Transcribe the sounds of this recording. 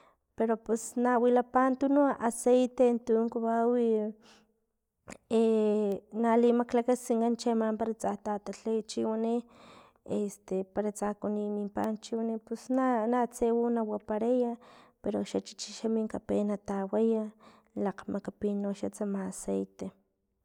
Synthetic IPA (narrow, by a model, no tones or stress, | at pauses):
peɾopusnawilapant̪unuaʔasejt̪ent̪uŋkawawi | e | nalimaklakasiŋkant͡ʃemampaɾat͡sat̪at̪aɬejt͡ʃiwani | est̪epaɾat͡sakunimimpa̰nt͡ʃiwanipusnanat͡sewunawapaɾejapeɾoʃat͡ʃi̥t͡ʃiʃamiŋkapenat̪awaja | laqmakapinoʃat͡samaːsejt̪e